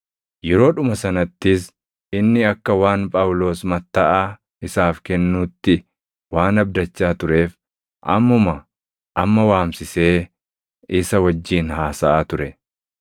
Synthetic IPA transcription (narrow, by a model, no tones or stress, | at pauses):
jɛɾo̞ːᶑʊmɐsɐnɐt̪ːɪs | ɪnːɪɐkːɐwaːnpʼɐwʊlo̞ːsmɐt̪ːɐʔaː | ɪsaːfkɛnːuːt̪ːɪ | waːnɐb̚d̪ɐt͡ʃːaːt̪ʊɾe̞ːf | ʔɐ̰mːʊmɐ | ʔɐmːɐwaːmsɪse̞ː | ɪsɐwɐd͡ʒːiːnhaːsɐʔaːt̪ʊɾɛ